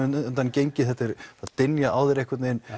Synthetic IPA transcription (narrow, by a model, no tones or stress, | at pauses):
nt̪ancejɲcɪθɛht̪ːɪɾ̥θaðt̪ɪnjaʔaːwðɪɾejhkvat̪nen